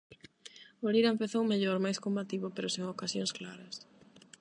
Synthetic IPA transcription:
oɾiɾaempeθowmeʎoɾmajskombat̪iβʊpeɾʊseŋokasjõŋsklaɾɐs

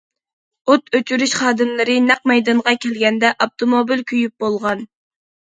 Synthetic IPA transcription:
ot̪ʰøt͡ʃʰyɾyʃχɑːd̪ɨmlˠɨɾɪnæq̚mɛjd̪ɑɴʁɑkʲʰɛlɡʲɛnd̪ɛʔop̚t̪ʰomobilkʲʰyjyp̚bolˠʁɑn

